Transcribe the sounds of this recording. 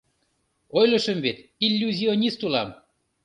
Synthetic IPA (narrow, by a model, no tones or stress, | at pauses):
ojlɤ̆ʃə̆mβet̪ilʲːuzʲionʲist̪ulɑm